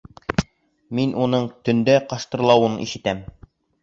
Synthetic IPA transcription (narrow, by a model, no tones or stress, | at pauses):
minʔunɤɴt̪ɵ̆nd̪æqɑʃt̪ɤ̆ɾlˠɑwɤnḭʃɘ̆t̪æm